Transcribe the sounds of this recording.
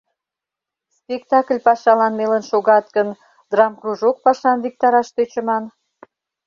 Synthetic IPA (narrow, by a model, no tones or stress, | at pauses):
spʲekt̪ɑklʲpɑʃɑlɑnmelənʃoɣɑt̪kən | d̪̥rɑmkruʒok̚pɑʃɑnβik̚t̪ɑɾɑʃt̪øt͡ɕə̆mɑn